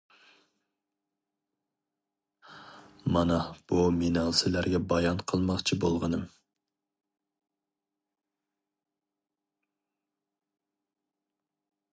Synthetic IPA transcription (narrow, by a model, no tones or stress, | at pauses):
mɑnɑb̥umenɑlˠsɪlæɾɡʲɛbɑjɑnqʰəlˠmɑχt͡ʃʰibolˠʁənɨm